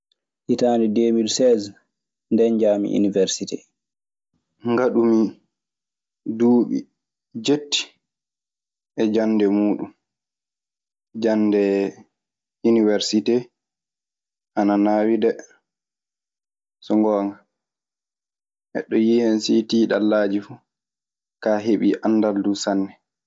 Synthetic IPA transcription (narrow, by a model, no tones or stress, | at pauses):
ʔitaːndɛdeːmidsɛz | ndɛnd͡ʒaːmḭʔḭnivɛɾsitɛ̰ | ŋɡaɗumi | duːɓḭ | d͡ʒetːi̥ | ʔɛd͡ʒanːdɛmuːɗum | d͡ʒandɛ | uniwɛɾsitɛ | ʔananaːwidɛ | sɔŋɡɔːŋɡa | ʔɛ̰ɗɔjihɛnsitiɗalːaːd͡ʒifu | kaːɦeɓiʔanːdaldusanːɛ